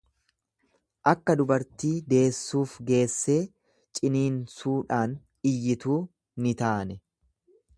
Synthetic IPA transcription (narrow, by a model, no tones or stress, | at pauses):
ʔɐkːɐd̪ʊbɐɾt̪iːd̪e̞ːsːuːfɡe̞ːsːe̞ː | t͡ʃʼɪniːnsuːᶑaːn | ɪjːɪt̪uː | nɪt̪aːnɛ